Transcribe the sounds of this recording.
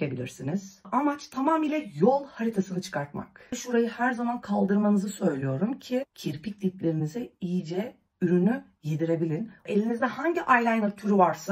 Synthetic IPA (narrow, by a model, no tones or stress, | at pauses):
ebilʲiɾsiniz̥amat͡ʃt̪ʰamaːmiːlʲɛjolˠhaɾit̪ʰasɯnɯt͡ʃʰɯ̥kʰaɾt̪̚ma̰kʃuɾajɯhæɾzamankʰalˠd̪ɯɾmanɯzɯsø̞jlʲijo̞ɾumcʰicʰiɾpʰic̚d̪it̪lʲeɾinizɛijd͡ʒɛ | yɾyny | jed̪iɾe̞bilʲine̞lʲinizd̪ɛhaɲɟiʔajlʲˠajnat̪ʰyɾyvaɾsa